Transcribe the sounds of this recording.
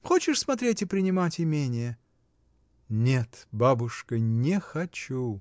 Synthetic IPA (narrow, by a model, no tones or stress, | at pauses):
xot͡ɕɪʂsmɐt̪ɾʲetʲɪpɾʲɪnʲɪmatʲɪmʲenʲɪjə | nʲet̪babʊʂkənʲɪxɐt͡ɕu